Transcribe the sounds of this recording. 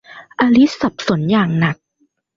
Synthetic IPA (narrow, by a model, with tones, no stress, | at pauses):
ʔa˧li˦˥t̚sa˨˩p̚so˨˩˦njaː˨˩ŋna˨˩k̚